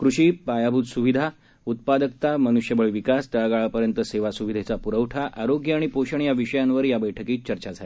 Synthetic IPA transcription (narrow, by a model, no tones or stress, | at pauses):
kɾuɕiːpajabʱut̪suʋid̪ʱa | ut̪̚pad̪ək̚t̪amənuɕjəbəɭʋikast̪əɭaɡaɭapəɾjənt̪əseʋasuʋid̪ʱet͡sapuɾəʋʈʰaʔaɾoɡjəaɽ̃ipoɕəɳjaʋiɕəjanʋəɾjabəjʈʰəkiːt̪̚t͡ɕəɾt͡ɕad͡zʱae